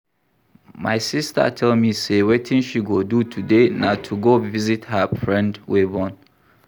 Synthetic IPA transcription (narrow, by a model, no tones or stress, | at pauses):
ma̰ɪsista̰tʰɛlmisewetʰĩnʃiɡodutʰudenatʰuɡovizithəfɹɛ̃ndwebɔ̃n